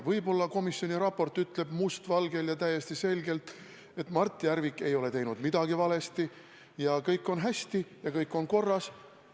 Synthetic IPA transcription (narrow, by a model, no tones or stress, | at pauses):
vɤjbo̞lːɑko̞misːjo̞nʲiɾɑpːo̞rt̪ːˑyt̪le̞b̥must̪vɑlɡe̞ljɑt̪æjːe̞st̪ise̞lɡe̞lt̪ | e̞t̪ːmɑrt̪ːˑiæɾvikːˑe̞jo̞le̞t̪e̞jnud̪̥mid̪̥ɑɡ̥ivɑle̞st̪i | jɑkɤjkːˑo̞nɦæsʲt̪ijɑkɤjkːˑo̞nko̞rːɑs